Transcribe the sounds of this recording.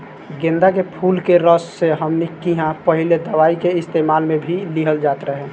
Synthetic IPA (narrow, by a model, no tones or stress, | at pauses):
ɡẽnd̪akepʰulkeɾəsːeɦəmnikiɦãpəɦiled̪əʋaikeɪst̪emalmẽbʱiliɦəld͡ʒaːt̪ɾəɦɛ